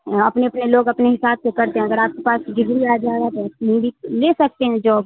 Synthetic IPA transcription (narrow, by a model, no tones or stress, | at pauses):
ɐpneɐpneloːɡɐpneɦɪsaːb̚sekɐɾt̪eɦɛ̃ɐɡəɾaːp̚kepaːsɡɪɡ̪ɾiaːd͡ʒaːeɡat̪ombʱileːsɐk̚t̪eɦɛ̃d͡ʒoːb